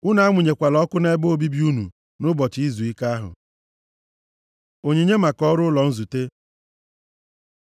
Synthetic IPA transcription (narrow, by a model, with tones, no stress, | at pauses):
ʊ˦na˨˦a˦ŋʷʊ˨ɲe˨kʷa˨lɔ˦kʊ˦ne˦boo˦bi˦bi˦u˦nṵ˨ | nʊ˦bɔ˨t͡ʃi˦zu˨i˦ka˦ɦʊ̰˨ | o˨ɲe˨ɲe˦ma˨kɔ˦ɾʊ˦lɔ˨n̩˦zu˨te˦